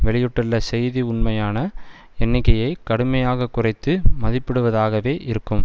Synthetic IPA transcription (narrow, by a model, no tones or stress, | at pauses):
ʋɛɭɪjɯʈːɪlːɐsɛjðiʊɳmɐjaːnɐ | ɛnːɪkːɐjɐɪkːɐɽɯmɐjaːɣɐkːʊrɐɪt̪ːɯmɐðɪpːɪɽɯʋɐðaːɣɐʋeːʔɪɾɯkːɯm